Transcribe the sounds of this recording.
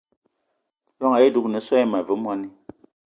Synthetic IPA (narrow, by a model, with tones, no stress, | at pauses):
lɔ˦ŋa˨je˦˨du˦knɨ˨˦sɔ˦i˦ma˨vɨ˨˦mwa˦ni˦